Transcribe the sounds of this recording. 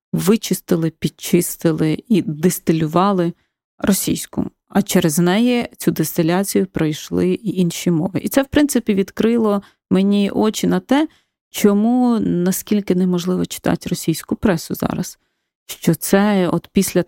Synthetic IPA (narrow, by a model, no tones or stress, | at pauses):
ʋɪt͡ʃɪst̪ɪlˠɪpʲid̚t͡ʃɪst̪ɪlˠɪid̪est̪ɪlʲʊʋɑlˠɪ | rɔsʲḭjsʲkʊ̰m | ɐt͡ʃɛɾeznɛjɛt͡sʲud̪est̪ɪlʲɑt͡sʲijʊpɾɐjʃlˠɪinʃimɔʋɪ̰ʔit̪sɛwpɾɪnt̪sɪpʲiʋʲid̪kɾɪlˠɔ | menʲiʔɔt͡ʃɪnɐt̪ɛ | t͡ʃɔmunɐskʲilʲkɪnɛmɔʒlˠɪʋɔt͡ʃɪ̥t̪ɑ̰tʲrɔsʲijsʲkʊpɾɛsʊzɑ̰ɾɐ̰s | ʃt͡ʃɔt̪sɛɔt̪pʲisʲlʲɐ